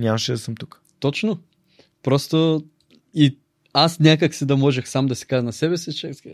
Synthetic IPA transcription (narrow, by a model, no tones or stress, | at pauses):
nʲamɐʃɛd̪ɐsəmt̪uk | t̪ɔt͡ʃno | pɾɔst̪o | i | asnʲakəksid̪ɐmɔʒɛxsamd̪ɐsi̥kaʒnɐsɛbɛsit͡ʃɛ